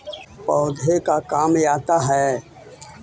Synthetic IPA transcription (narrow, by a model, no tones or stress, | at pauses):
pɔːd̪ʱekakaːmjaːt̪aɦɛː